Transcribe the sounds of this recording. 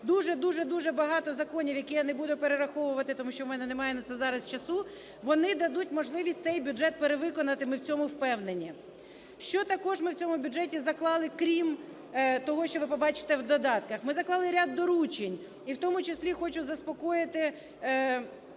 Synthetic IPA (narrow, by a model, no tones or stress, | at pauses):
d̪uʒɛd̪uʒɛd̪uʒɛbɐɦɑt̪ɔzɐkɔnʲiwjɐkijanebud̪ʊpeɾeɾɐxɔʋʊʋɐt̪ɪt̪ɔmuʃt͡ʃɔmɛnɛnemɑjɛnɐt̪sɛzɑɾɐst͡ʃɐsu | ʋɔnɪd̪ɐd̪ut̚ʲmɔʒlˠɪʋʲisʲtʲtsɛjbʲʊdɛt̪̚peɾeʋɪkɔnɐt̪ɪmɪwt͡sʲɔmʊwpɛwnenʲi | ʃt͡ʃɔt̪ɐkɔʒmɪwt͡sʲɔmʊbʲʊdʐɛtʲizɐklˠɑlˠɪkɾʲim | t̪ɔɦɔʃt͡ʃɔʋɪpɔbɑt͡ʃɪ̥t̪ɛwd̪ɔd̪ɑt̪kɐxmɪzɐklˠɑlˠɪɾʲad̪ːɔɾut͡ʃenʲ | iwt̪ɔmʊt͡ʃeslʲixɔt͡ʃʊzɐspɔkɔjɪt̪ɪ